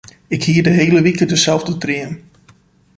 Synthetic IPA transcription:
ɪkhiərdəɦejləʋikədəsɛlˠvdətrɪən

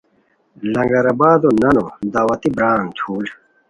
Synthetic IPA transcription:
lɐ̃ŋɡɐɾɐbaːd̪onɐnod̪aːwɐt̪ibɾaːŋt͡ɕʰuːl

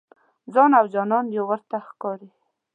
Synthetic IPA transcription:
zɑnawd͡ʒɑnɑnjowəɾt̪axkɑɾi

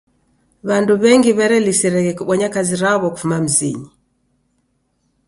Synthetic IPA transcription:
βanduβɛŋɡiβɛɾɛlisiɾɛɣɛkuɓɔɲakaziɾaβɔku̥fumam̩zḭɲi

